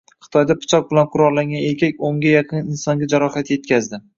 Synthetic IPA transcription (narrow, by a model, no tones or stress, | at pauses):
χɨ̥t̪ʰɒjd̪apʰʊ̥t͡ʃʰɒq̚bɪlanqʰʊɾɒlˠlːaŋɡʲane̞ɾkʲʰakʲoŋɡʲajɑqʰɨnɪnsɒŋɡʲad͡ʒaɾɒhat̪je̞t̪̚kʲʰazd̪ɪ